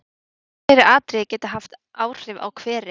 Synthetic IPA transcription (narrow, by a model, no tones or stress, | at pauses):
ɛɾɪaːt̪ɾɪcɛːt̪aɦaft̪ʔaːwr̥ɪva̰wkʰv̥ɛːɾɪ